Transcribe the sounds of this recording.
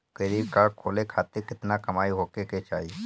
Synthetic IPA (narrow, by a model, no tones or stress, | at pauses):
keɾikakʰoːlekʰaːt̪ɪɾkɪt̪nakɐmaːiɦoːkeket͡ʃa̰ːɦi